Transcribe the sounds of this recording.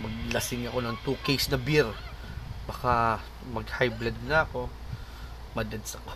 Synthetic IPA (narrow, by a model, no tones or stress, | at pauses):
mɐɡ̚lɐsɪŋɐko̞nɐŋt̪uːkejsnɐbiɾ | bɐka | mɐɡhajblɐd̪̚nɐɐko̞ | mɐd̪ɐd̪sɐko